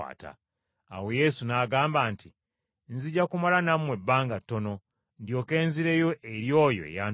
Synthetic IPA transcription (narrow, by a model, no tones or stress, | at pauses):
a̰ːta̰ː | we̞je̞sunaːɡaːmbaːntʰi | nziɟːakumalanamwe̞bːaːŋɡatːo̞no̞ | ndjo̞ːke̞ːnziɾe̞jo̞ʔeɾjo̞ːjo̞̰ḛjaːn